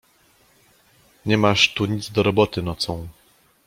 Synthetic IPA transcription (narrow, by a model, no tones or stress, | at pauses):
ɲɛmaʂt̪uɲid̪zd̪ɔɾɔbɔt̪ɘnɔt̪sɔ̃w̃